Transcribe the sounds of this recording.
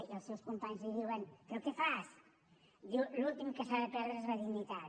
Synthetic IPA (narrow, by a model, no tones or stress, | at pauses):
iəlˠsewskumpaɲzliðiwɐnpɾokefas | ululˠt̪imkəsaβɐpɛɾðɾɐzβaðiɣnːit̪a